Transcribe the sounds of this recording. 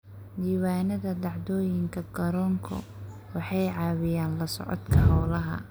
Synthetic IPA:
d̪iːwaːnɐðɐd̪ɑʕd̪ɔːjɪŋkʰɐɡɐɾɔŋkʰɔ̰ | wɑħɑjʕɑːwɪjaːnlɐsɔ̰ʕɔ̰t̪kʰɐɦɑwlɐɦɐ̰

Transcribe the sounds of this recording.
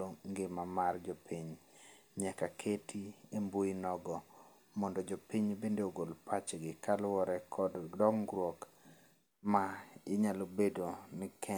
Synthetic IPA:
oŋɡɪmamard͡ʒopiɲ | ɲɛkakʰetʰiemboinɔɡɔ | mɔndɔd͡ʒopiɲbendeoɡolpat͡ʃɡɪkalwɔɾɛkʰɔddɔŋɡɾwɔk | maɪɲalobedonɪkʰɛ

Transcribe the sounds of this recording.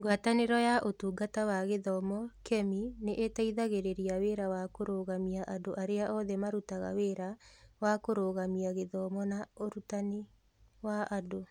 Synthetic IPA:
ɡwataneɾɔjaʔotuːɡatawaɣeðɔmɔkʰɛmineʔetaiðaɣeɾeɾiaweɾawakoɾoɣamiaʔadoʔaɾeaʔɔðɛmaɾutaɣa̰weɾawakoɾoːɣamiaɣeðɔmɔnaoɾutane | waʔdo

